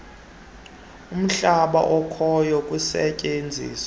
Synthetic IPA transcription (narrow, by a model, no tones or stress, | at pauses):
um̩ɬaɓa̰ʔɔkʰɔjɔkʼusɛcʼend͡zʱḭːsw